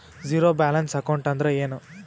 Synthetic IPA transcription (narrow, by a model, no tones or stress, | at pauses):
d͡ʒiːɾoːbaːlɐnsɐkɐwɳʈɐnd̪ɾeeːnu